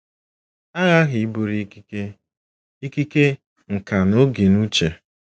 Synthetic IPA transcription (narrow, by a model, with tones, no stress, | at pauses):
a˦ɣa˦ɣi˨i˦bo˨ɾi˦ki˦ke˦ | i˦ki˦ke˦ | ŋ̩˨ka˨no˦ɡe˨nu˦t͡ʃe˨